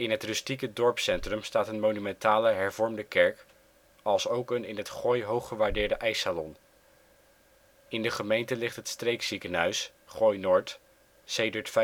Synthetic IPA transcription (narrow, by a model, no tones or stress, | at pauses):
ɪnɦətrʏstikədɔɹpsɛntrəmstaːtənmownymɛntaːləɦɛɹvɔɹmdəkɛɹk | ɑlˠsowkənɪnɦətχɔjɦowχəʋaːɹdɪːɹdəʔɛjsaːlɔn | ɪndəχəmejntəlɪχtɦətstrejksikənɦœɥs | χɔjnoːɹt | sejdəɹtf